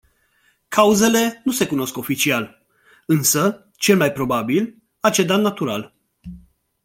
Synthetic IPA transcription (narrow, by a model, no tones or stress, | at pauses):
kʰauze̞le̞nuse̞kuno̞sko̞fit͡ʃial | ɨnsə | t͡ʃe̞lmajpɾo̞babil | at͡ʃe̞d̪anat̪uɾa̰l